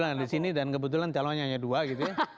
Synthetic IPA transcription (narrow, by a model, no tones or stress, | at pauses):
landisinidankəbut̪̬ulant̪alɔ̃ɲaːjaduaɡit̪uja